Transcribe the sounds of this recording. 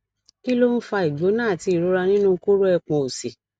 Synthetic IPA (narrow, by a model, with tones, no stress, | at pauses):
ki˦lo˦n̩˦fa˧i˨ɡ͡bo˨˦nãː˦˨ti˧i˨ɾo˨˦ɾa˧nĩ˦nũ˦ko˦ɾo˦ɛ˧˨k͡pɔ̃˧o˨se˨